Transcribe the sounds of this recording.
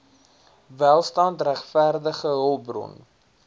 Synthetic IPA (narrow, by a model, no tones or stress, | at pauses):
vælˠstɑntræχfærdəχəɦəlˠbrɔ̰n